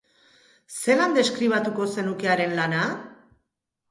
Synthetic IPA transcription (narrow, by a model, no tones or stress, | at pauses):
se̞land̪e̞skɾiβ̞at̪uko̞se̞nuke̞aɾe̞nlana